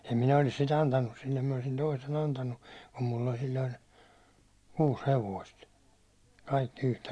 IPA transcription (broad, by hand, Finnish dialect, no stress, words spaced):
em minæ olis sit ɑntɑnːus silːem minæ olĭsin toisen ɑntɑnːu kum mulː olʲ silʲːoin̞ kuːs heʋoist kɑikːi yhtæ